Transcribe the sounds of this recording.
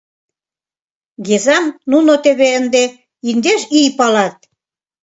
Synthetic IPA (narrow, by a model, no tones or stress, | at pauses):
ɡezɑmnunot̪eβeənd̪e | ind̪eʃijpɑlɑt̪̚